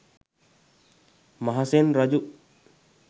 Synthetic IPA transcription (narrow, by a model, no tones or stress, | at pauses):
maɦasenɾad͡ʒuʔ